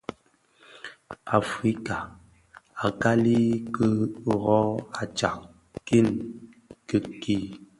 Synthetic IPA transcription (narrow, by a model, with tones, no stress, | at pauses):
a˨fi˦ka˨ | a˨ka˦li˦kə˦˨ɣɔ˦a˨t͡ʃa̰˨k | ki˦˨n | kə˨ki˦